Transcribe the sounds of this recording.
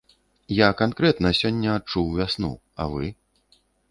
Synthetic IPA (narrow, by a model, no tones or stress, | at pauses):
jakankɾɛt̪nɐsʲɔnʲːɐːt͡ʂuwvʲasnṵ | ɐ̰vɨ